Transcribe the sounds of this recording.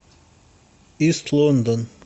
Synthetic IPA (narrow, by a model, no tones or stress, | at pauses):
ist̪ʰlˠɔnd̪ɔ̃n